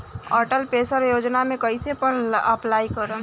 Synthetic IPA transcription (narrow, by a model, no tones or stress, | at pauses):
ɔːɾʈəlpeːsəɾjoːd͡ʒnamẽkəɪsepəɾəplaːikəɾə